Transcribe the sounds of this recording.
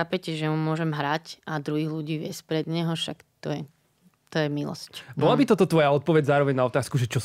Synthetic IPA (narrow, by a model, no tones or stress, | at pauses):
xaːpɛcɛʒɛmumʊɔʒɛmɦɾacʔad̪ɾuɦiːɣluɟiːʋɪɛspɾɛd̪ɲɛɦɔʃakt̪ɔjɛ | t̪ɔjɛmilɔ̰scbɔlabit̪ɔt̪ɔt̪ʋɔjaɔt̪̚pɔʋɛɟzaːɾɔʋɛɲnaɔt̪aːskuʒɛt͡ʃɔ